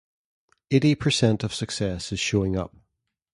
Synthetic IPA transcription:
eɪɾipʰəsɛ̃ntəv̥səksɛsɪz̥ʃoːɪ̃ŋʌ̰p̚

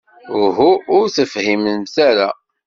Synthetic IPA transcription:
ɦuʊɾθəfhimənmθaɾa

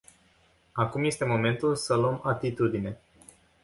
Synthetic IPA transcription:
akumje̞st̪e̞mo̞me̞nt̪ulsəloəmat̪it̪ud̪ine̞

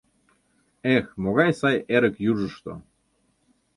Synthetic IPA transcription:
exmoɣɑjsɑjeɾə̆kjuʒəʃt̪o̰

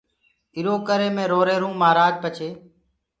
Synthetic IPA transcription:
ɪɾoːkəɾeːmẽːɾoːɾeːɾũːmaːɾaːɡ̚pət͡ʃʰeː

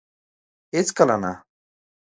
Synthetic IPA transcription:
et͡skalana̰

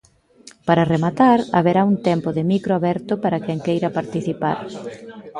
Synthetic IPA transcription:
paɾɐremat̪aɾa̰βeɾauŋt̪ɛmpʊðɪmikɾoaβɛɾt̪ʊpaɾakɛŋkejɾɐpaɾt̪iθipa̰ɾ

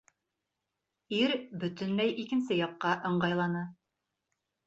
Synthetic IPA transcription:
iɾbɵ̆t̪ɵnmæjʔikɘ̆nsɘjɑqːɑʔɤ̆ɴɢɑjlˠɑnɤ

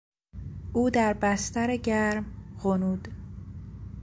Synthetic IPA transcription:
ʔuːd̪æɾbæst̪æɾeɟæɾmɣonuːd̪

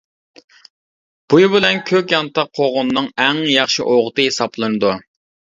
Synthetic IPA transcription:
b̥ujubɪlɛnkʲʰøkʲjɑnt̪ɑqʰːoʁʊnːɨŋɛŋjɑχʃiʔoʁʊt̪ɨɦesɑplˠɨnɨd̪u

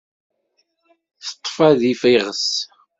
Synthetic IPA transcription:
θə̥t̪ˤːfæðifiʁəs

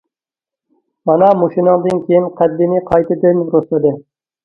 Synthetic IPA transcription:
mɑnɑmoʃinɨŋd̪ɨnkʲʰejɪnqʰɑd̪ːimiqʰɑjt̪ʰɪd̪ɪnɾʊslˠɨd̪ɪ

